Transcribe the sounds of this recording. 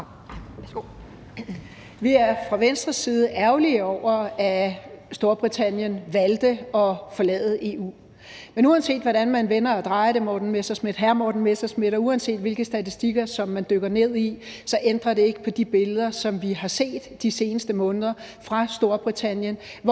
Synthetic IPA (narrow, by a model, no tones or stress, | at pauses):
ʋiæɐfʁɑ̈ʋensd̥ʁɐsːiːð̞ˠəæɐʊliəɒʊ̰ɐæsd̥o̝ɐb̥ʁit͡sʰæn̰jənʋæld̥əɒ̽fɒ̽lɛ̰ːð̩ˠʔe̝ːṵː | menuɛnse̝̰ːd̥ʋɒɾænmænʋenɐːd̥ʁɑ̈ɪɾ̥emɒːd̥n̩mesɐsme̝d̥ɦæɐmɒːd̥n̩mesɐsme̝ɾɒuɛnse̝̰ːd̥ʋe̝lɡ̥əsd̥æt͡sʰisd̥iɡ̥ɐsɒ̽mːænd̥øɡ̥ɐne̝ð̞̰ˠi | sɒ̽ʔend̥ʁɐɾe̝e̝ɡ̥əpʰɒ̽d̥ib̥e̝ləð̞ˠɐsɒ̽mʋiɦɑ̈se̝̰ːd̥ːise̝ːnəsd̥əmɔ̽ːnð̞ˠɐ | fʁɑ̈sd̥o̝ɐb̥ʁit͡sʰæn̰jən